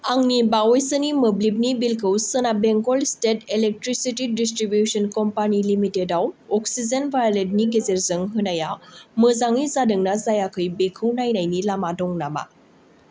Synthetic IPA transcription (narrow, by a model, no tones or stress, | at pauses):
aŋnibawojsənimɯblib̚nibilkʰɯwsɯnabeŋɡɔlstetelek̚tɾisitidistɾibjusɔnkɔmpanilimitedawɔksizenvajaled̚niɡezeɾzɯŋɦɯnajamɯzaŋizadɯŋnazajakʰɯjbekʰɯwnajnajnilamadɔŋnama̰